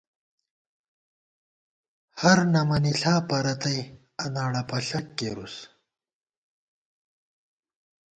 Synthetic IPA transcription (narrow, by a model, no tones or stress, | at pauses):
hɐɾnɐmɐniɬaːpɐɾɐt̪ɐj | ɐnaːɽɐpɐɬɐkːeɾus